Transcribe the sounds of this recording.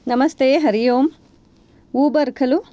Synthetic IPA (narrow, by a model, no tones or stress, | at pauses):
nɐmɐst̪eːɦɐɾijoːm | uːbɐɾkʰɐlu